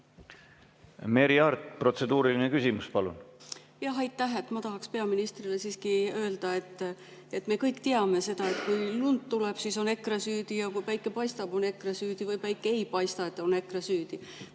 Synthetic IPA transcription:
me̞ɾiɑrt̪pro̞t̪se̞d̪uːɾilinekysimuspɑlṵn | jɑɦɑjt̪ːæɦe̞t̪ːˑmɑt̪ɑɦɑkspe̞ɑminist̪rilesiːskiø̞ːld̪̥ɑe̞t̪ːˑ | e̞t̪ːˑme̞kɤjkːt̪e̞ɑme̞se̞d̪̥ɑe̞t̪kujlunt̪ːuleb̥siso̞ne̞krɑsyːd̪̥ijɑkujpæjkːˑe̞pɑjst̪ɑb̥o̞ne̞krɑsyːd̪̥ivɯjpæjkːˑeejpɑjst̪ɑet̪ːˑo̞ne̞krɑsyːd̪̥i

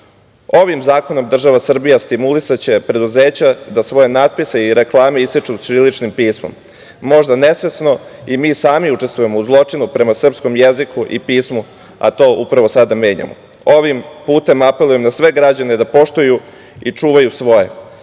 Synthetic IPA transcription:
o̞ʋimzaːko̞no̞md̪r̩ʒaʋasr̩bijast̪imulisat͡ɕe̞pɾe̞d̪uze̞ːt͡ɕad̪asʋo̞jenad̪̚piseiɾe̞klˠaːme̞ist̪it͡ʂusɾilit͡ʃnimpiːsmo̰mː | o̞ʒd̪ane̞sʋe̞sno̞imiːsaːmiut͡ʂe̞st̪ʋuje̞mo̞uzlˠo̞t͡ʂinupɾe̞masr̩psko̞mjezikʰuʔipiːsmu | a̰t̪o̞ːʔupɾaʋo̞sad̪ame̞ːɲa̰mo̰ | o̞ʋimpuːt̪e̞mape̞lˠuje̞mnasʋe̞ɡɾad͡ʑaned̪apo̞ʃt̪uju | it͡ʂuːʋajusʋo̞je̞̰

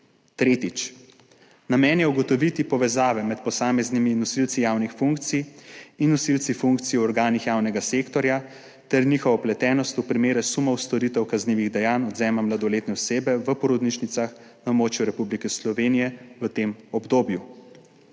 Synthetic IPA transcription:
t̪ɾeːt̪it͡ʃ | namɛːnjɛuɡɔt̪ɔʋit̪ipɔʋɛzaːʋɛmɛt̪pɔsaːmɛzniminɔsilt̪sijawnixfuŋkt̪sijinːɔsilt̪sifuŋkt̪siɔɾɡaːnixjaːwnɛɡasekt̪ɔɾja | t̪ɛɾniːxɔʋaɔplɛt̪ɛːnɔst̪upɾimeːɾɛsumɔwst̪ɔɾit̪ɛwkazniːʋiɣd̪ɛjaːnɔd̪zɛːmamlad̪ɔleːt̪nɛɔseːbɛʋəpɔɾɔd̪niʃnit̪saxnamoːt͡ʃjuɾɛpublikɛslɔʋeːnijɛʋət̪eːmɔbd̪oːbju

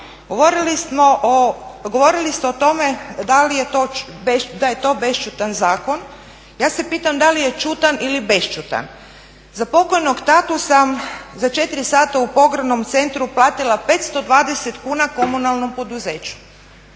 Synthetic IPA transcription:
ɡooɾiliso | ɡo̞ʋo̞ɾilist̪eot̪o̞me̞d̪alijet̪obed̪aje̞t̪o̞be̞ʃt͡ʃut̪anzaːko̞n | jaːse̞piːt̪amd̪alije̞t͡ʃut̪anilibe̞st͡ʃut̪a̰n | zapo̞ko̞jno̞ɡt̪at̪usamzat͡ʃe̞t̪iɾisaːt̪aupo̞ɡɾano̞mt̪se̞nt̪ɾuplˠaːt̪ilˠape̞t̪st̪o̞d̪ʋaːd̪e̞se̞t̪kuːnako̞munalno̞mpo̞d̪uze̞ːt͡ɕu̥

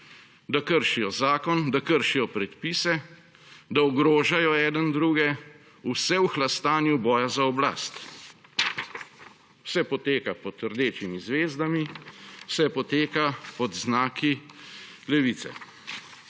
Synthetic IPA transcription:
d̪akəɾʃijɔzaːkɔnd̪akəɾʃijɔpɾɛt̪piːsɛ | d̪aɔɡɾoːʒajɔɛːd̪ənd̪ɾuːɡɛ | usɛwuxlast̪aːnjubɔːjazaɔbla̰ːst̪ | wsɛpɔt̪eːkapɔt̪əɾd̪eːt͡ʃimizʋeːzd̪amiwsɛpɔt̪eːkapɔd̪znaːki | lɛʋit̪sɛ̰

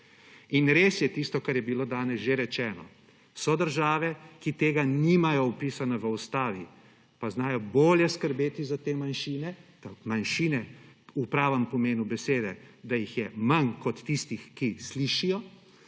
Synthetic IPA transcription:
inɾeːsjɛt̪ist̪ɔkaɾjɛbiloːd̪aːnɛsʒeɾɛt͡ʃɛːnɔ̰ | sɔd̪əɾʒaːʋɛkit̪eːɡanimajɔupiːsanaʋəust̪aːʋi | paznaːjɔboːljɛskəɾbeːt̪izat̪eːmanʃiːnɛt̪amanʃiːnɛ | upɾaːʋəmpɔmeːnubɛseːd̪ɛd̪ajixjɛmankɔt̪ːist̪ixkisliʃijɔ

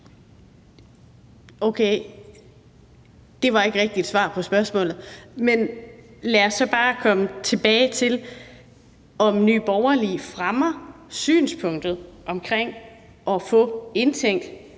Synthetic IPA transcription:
oʊkʰeɪ | d̥e̝ʋɑ̈e̝ɡ̥əʁeɡ̥̚d̥id̥sʋɑ̈ːpʰɒ̽sb̥ɶɐsmɔ̰̽ːlð̩ˠmenlæɐsːɒ̽b̥ɑ̈ːkʰɒ̽mət͡sʰe̝b̥ɛːɪt͡sʰe̝l | ɒ̽mny̰ːb̥ɒʊɐlifʁamɐ | sy̰ːnspʰɔ̽ŋ̰d̥ð̞̩ˠʔɒ̽mkʰʁeŋ̰ | ʔɒ̽fɔ̰̽e̝nt͡sʰeŋ̰d̥

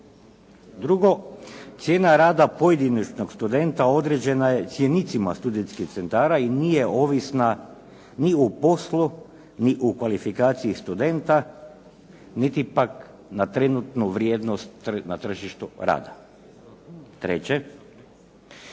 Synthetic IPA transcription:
d̪ɾuɡo̞t̪sje̞ːnaɾaːd̪apo̞jed̪init͡ʃnokst̪ud̪e̞nt̪ao̞d̪ɾe̞d͡ʑe̞naje̞t̪sje̞nit̪sima̰st̪ud̪ent̪skixt̪se̞nt̪aːɾainije̞o̞ːʋisna | niupo̞slˠu | niʔukʋalifikaːt̪siist̪ud̪e̞nt̪a | nit̪ipak | nat̪ɾe̞nut̪nuʋɾjeːd̪nost̪nat̪r̩ʒiʃt̪uɾa̰ːd̪a | t̪ɾḛt͡ɕe

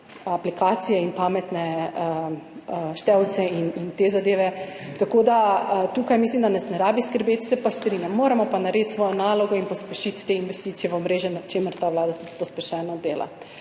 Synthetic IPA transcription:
aplikaːt̪sijɛinpaːmɛt̪nɛ | ʃt̪ɛwt̪sɛinint̪ezad̪eːʋɛt̪akoːd̪at̪ukajmislimd̪anasnɛɾaːbiskəɾbeːt̪sɛpast̪ɾinjamːoːɾɛmɔpanaɾet̪sʋɔjɔnaːlɔɡɔinpɔspɛʃit̪ːeinʋɛst̪it̪sijɛʋomɾeːʒjɛnat͡ʃeːməɾt̪aʋlaːd̪at̪ut̪pɔspɛʃɛːnɔd̪eːla̰

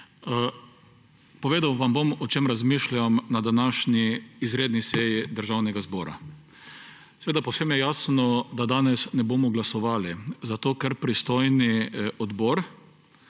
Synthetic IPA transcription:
pɔʋeːd̪awʋambomɔt͡ʃemɾazmiːʃlʲamnad̪anaːʃniːzɾeːd̪nisɛjid̪əɾʒawnɛɡazbɔːɾa̰ | sɛʋeːd̪apɔwsemjɛjaːsnɔd̪ad̪aːnɛsnɛboːmɔɡlasɔʋaːlizat̪oːkɛɾpɾist̪ojniɔd̪bɔːɾ

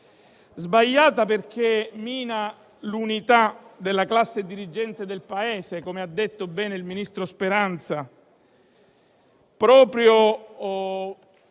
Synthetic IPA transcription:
zbaʎjːaːt̪aperk̟emiːna | lunit̪ad̪elːaklasːed̪iɾid͡ʒɛnt̪ed̪elpaeːsekomead̪ːet̪ːobɛːneilminist̪ɾospeɾant̪sa | pɾɔːpɾjo

